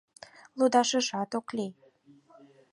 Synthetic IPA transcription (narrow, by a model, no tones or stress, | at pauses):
lud̪ɑʃə̆ʒɑt̪okli